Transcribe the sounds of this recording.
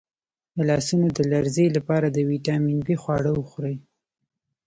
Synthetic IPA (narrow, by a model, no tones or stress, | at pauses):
əlɑsunod̪əlaɾzelapɑɾad̪əwiʈɑminbixwɑɽəwəxɾəj